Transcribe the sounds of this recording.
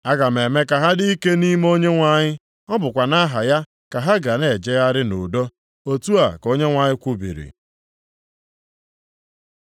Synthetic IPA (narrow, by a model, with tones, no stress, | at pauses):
a˦ɡa˨me˨me˦ka˨ɦa˦di˦i˦ke˦ni˦m˦o˦ɲe˦ŋʷa˦˨ɲɪ˦ | ɔ˦bʊ˨kʷa˨na˦ɦa˨ja˦ | ka˨ɦa˦ɡa˨ne˨d͡ʒe˦ja˦ɾɪ˦nʊ̰˨do˦ | o˦tu˦a˨ko˦ɲe˦ŋʷa˨ɲɪ˦kʷʊ˦bḭ˨ɾḭ˨